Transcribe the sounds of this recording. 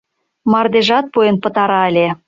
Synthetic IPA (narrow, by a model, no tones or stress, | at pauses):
mɑrd̪eʒɑt̪̚pujenpə̆t̪ɑɾɑəlʲe